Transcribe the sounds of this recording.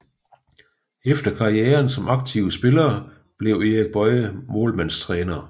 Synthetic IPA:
efd̥ɐkʰɑ̈ieːɐnsɒ̽mʔɑ̈ɡ̥̚t͡sʰiʊəsb̥e̝lɐː | b̥le̝ʊe̝ʁeɡ̥̚b̥ɒ̽ɪəmoːlmænst͡sʰʁɛːnɐ

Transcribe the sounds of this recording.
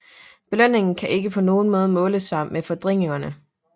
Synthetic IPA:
b̥e̝læn̰e̝ŋn̩kʰæʔe̝ɡ̥əpʰɒ̽no̝ːn̩mɔ̽ːð̞ˠmɔ̽ːləsɑ̈mefɒ̽d̥ʁeŋ̰eŋɐnə

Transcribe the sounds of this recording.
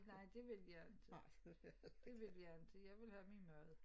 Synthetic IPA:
nɑ̈ɪ̰d̥e̝ʋe̝ljɑnd̥ | d̥e̝ʋe̝ljand̥ejɑ̈ɪʋe̝lhæminmœð̩ˠ

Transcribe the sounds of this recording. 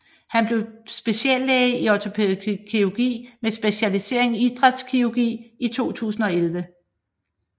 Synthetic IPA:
hænb̥le̝ʊsb̥e̝ɕiɛlːeiɒt͡sʰo̝pʰe̝ːðˠkʰioɡ̥ḭːmesb̥e̝ɕælise̝ɐ̰e̝ŋiid̥ʁad̥skʰioɡ̥ḭːit͡sʰo̝̰ːt͡sʰṵːsn̩ɒ̽elʋə

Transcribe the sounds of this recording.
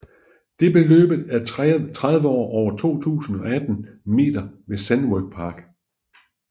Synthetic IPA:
d̥e̝b̥e̝lø̰ːb̥əð̩ˠæɐt͡sʰʁað̞ˠʋəɒ̰ːʔɒʊ̰ɐt͡sʰo̝̰ːt͡sʰṵːsn̩ɒ̽æd̥n̩me̝̰ːd̥ɐʋe̝sænwœɡ̥̚pʰɑ̈ːɡ̥

